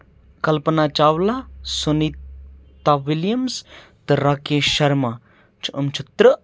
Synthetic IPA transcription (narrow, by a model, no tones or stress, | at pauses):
kɐlpɐnaːt͡ʃaːwlasoni | t̪ːaʋiljɐmst̪ɨɾaːkeʃɐɾma | t͡ʃʰʔəmt͡ʃʰut̪ɾɨ